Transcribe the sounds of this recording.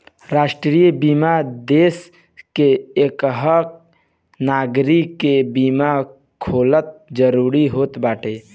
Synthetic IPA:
ɾaːʃʈɾiːjbiːmad̪eːs | keekɦək̚ | naːɡɾikːebiːma | kʰoːlət̪̚d͡ʒəɾuːɾiɦoːt̪baːʈʰeː

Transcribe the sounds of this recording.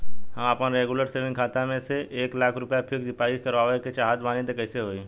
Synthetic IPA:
ɦɐmapnɾeːɡuləɾseːʋɪ̃ŋkʰaːt̪amẽseʔeːklaːkʰɾʊpjapʰɪksɪpaːiskɐɾʋaːʋeket͡ʃaːɦad̪ʋaːnẽt̪ekɛɪseɦoːi

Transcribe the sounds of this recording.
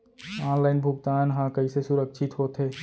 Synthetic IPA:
ɔːnlaɪnbʱʊɡt̪aːnɦãkəisesʊɾəkʃʰɪt̪ɦoːt̪ɦeː

